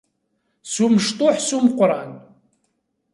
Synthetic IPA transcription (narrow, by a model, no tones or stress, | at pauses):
suməʃt̪ʊħsuməqːɾˤɑn